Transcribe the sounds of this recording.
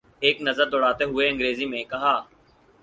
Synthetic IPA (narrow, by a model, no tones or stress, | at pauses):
eːknɐzəɾd̪ɔːɽaːt̪eɦʊeɐ̃ŋɡɾeːzimẽkɐɦaː